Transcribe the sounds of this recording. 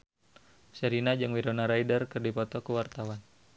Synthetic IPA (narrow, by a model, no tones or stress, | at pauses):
səɾinad͡ʒɨŋwiɾonaɾaidərkɨrdipɔt̪ɔkuwart̪awan